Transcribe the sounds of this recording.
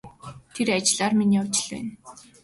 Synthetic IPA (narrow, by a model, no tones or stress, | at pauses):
t̪ʰeɾat͡ɕɪ̆ɮaːrminiːʊwt͡ɕɪ̥̆ɮpæ̰n